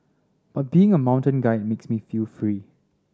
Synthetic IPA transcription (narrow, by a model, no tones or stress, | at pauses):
b̥at̚b̥iːɪ̃ŋəmãʊ̃ntə̃nɡaɪd̚meksmifilfɹi